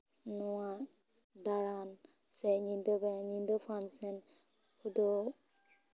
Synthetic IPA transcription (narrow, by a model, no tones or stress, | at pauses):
nuwa | d̪aɾan | sɛɲind̪ɔbɛɲind̪əpʰansɛn | ud̪ɔ